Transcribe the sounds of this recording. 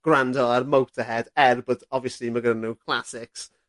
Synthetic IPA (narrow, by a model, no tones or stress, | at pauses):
ɡ̥randəərmowtʰəhɛdɛrbətɔviəsliməɡənənokʰlˠasɪks